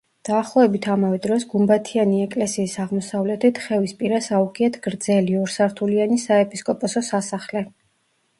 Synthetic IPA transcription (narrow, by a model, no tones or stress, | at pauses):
d̪̥aːχlˠɔɛbit̪ʰamavɛd̪ɾɔsɡumbat̪ʰianiɛkʼlɛsiːsaʁmɔsavlɛt̪ʰit̪ʰχɛvispʼiɾasauɡʼiɛt̪ʰɡ̥ɾd̪z̥ɛliɔɾsaɾt̪ʰulianisaɛpʼiskʼɔpʼɔsɔsasaχlɛ